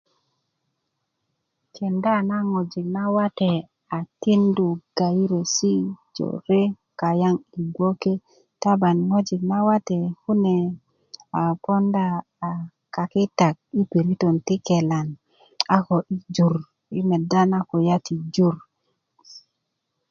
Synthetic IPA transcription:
ke˨nda˦na˦ŋo˨d͡ʒi˨k̚na˦wa˦te˨ | a˨ti˦ndu˨ɡ̥a˨ji˦ɾe˨si˦d͡ʒo̰˨ɾe˦ | ka˨ja˦ŋi˨ɡwo˦ke˦ | ta˦ba˨nŋo˦d͡ʒi˨kna˦wa˦te˨hu˦ne˨ | a˨po˦ndaː˦˨ | ka˨ki˦ta˨k̚i˦pe˨ɾi˦to˨nti˦ke˨la˨n | a˦ko˨ʔi˦d͡ʒu˨ɾ | i˦me˨da˦na˦ko˨ja˦ti˨d͡ʒu˦ɾ

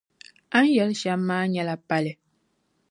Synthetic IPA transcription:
a˦n˦jɛ˨˦lʃa˦mː˦aː˦ɲɛ˦la˨pa˦lɪ˨

